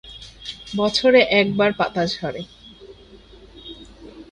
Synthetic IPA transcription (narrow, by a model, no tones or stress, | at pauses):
bɔt͡ɕʰoɾeʔɛk̚baɾpat̪ad͡ʑɔɾe